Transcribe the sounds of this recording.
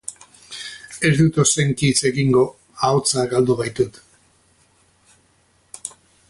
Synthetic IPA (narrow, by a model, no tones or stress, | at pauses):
e̞zd̪ut̪ose̞ŋkit͡se̞ɣiŋɡo̞ | aot͡saɡald̪uβajt̪ut̪